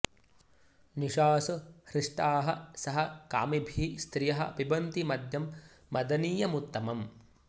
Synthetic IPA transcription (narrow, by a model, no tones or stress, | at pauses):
niʃaːsɐhɾɪʂʈaːɦɐ̆sɐɦɐka̰ːmibʱist̪ɾijɐɦɐ̰pibɐnt̪imɐd̪jɐmː | ɐd̪ɐniːjɐmut̪ːɐmɐm